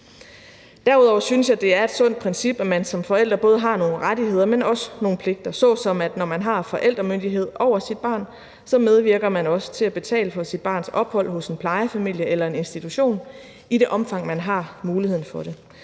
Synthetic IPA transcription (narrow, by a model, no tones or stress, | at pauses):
d̥æɐuð̞ˠɒʊ̰ɐsynsjɑ̈ɪd̥e̝æɐe̝d̥sɔ̽n̰d̥̚pʰʁɛnsib̥æmænsɒ̽mfɒ̽el̰d̥ʁɐb̥ɔ̽ːð̞̩ˠɦɑ̈no̝ːn̩ʁadihe̝ð̞̰ˠɐmenɒ̽səno̝ːn̩pʰle̝ɡ̥̚d̥ɐsɒ̽sɒ̽mæd̥nɒmænɦɑ̈fɒ̽ʔel̰d̥ʁɐmønd̥iɦe̝ð̞̰ˠɒʊ̰ɐsid̥̚b̥ɑ̰̈ːn | sɒ̽með̞ˠʋiɐɡ̥ɐmænɒ̽sə̥t͡sʰe̝læb̥e̝t͡sʰɛ̰ːləfɒ̽sid̥̚b̥ɑ̈ːnsɒ̽b̥hɒ̽l̰ɦɔ̽se̝npʰlɑ̈ɪəfæmil̰jəʔelɐe̝ne̝nsd̥it͡sʰuɕo̝̰ːn | iɾe̝ʔɒ̽mfɑ̈ŋ̰mænɦɑ̈muːlihe̝ð̰ˠn̩fɒ̽ɾ̥e̝